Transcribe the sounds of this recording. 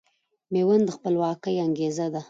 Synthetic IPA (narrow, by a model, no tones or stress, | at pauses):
mewənd̪əxpəlwɑkəjaŋɡezad̪a